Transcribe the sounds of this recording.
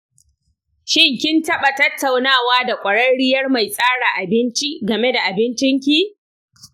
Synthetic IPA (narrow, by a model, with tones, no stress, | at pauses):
ʃɪ˦ŋkʲɪ˦ntɐ˦ɓa˨tɐ˦tːa˨wnaː˦˨waː˦da˨kʷʼɐ˨ɽɐ˦nɽɪ˦jɐ˦rma˨jsʼaː˦ɽaː˨ʔa˨bɪ˦nt͡ʃi˦ɡɐ˨me˦da˨ʔa˨bɪ˦nt͡ʃɪ˦ŋk̬ʲi˦